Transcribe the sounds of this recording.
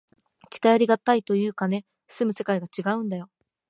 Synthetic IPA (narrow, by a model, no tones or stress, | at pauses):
t͡ɕi̥kajaɾʲiɡat̪ːait̪o̞jɯ̟ːkane̞̥ | sɨmɯ̟se̞kaiɡat͡ɕiɡaɯ̟̃nd̪ajo̞